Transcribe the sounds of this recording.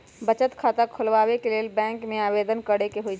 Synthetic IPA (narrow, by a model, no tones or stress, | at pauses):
bət͡ʃət̪kʰaːt̪akʰʊlʋaːwekeleːlbɛ̃ːŋkmẽaːbed̪ənkəɽekeɦoid͡ʒ